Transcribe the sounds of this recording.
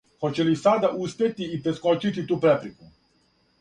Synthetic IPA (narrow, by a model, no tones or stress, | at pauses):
xot͡ɕelisad̪aʔuspʲje̞t̪iːpɾeskot͡ʃit̪it̪uːpɾepɾiku